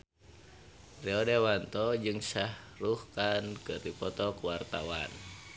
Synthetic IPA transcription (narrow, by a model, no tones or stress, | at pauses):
rɛɔdewant̪ɔd͡ʒɨŋsah | ɾuhkankɨrdipɔt̪ɔkuwart̪a̰wa̰n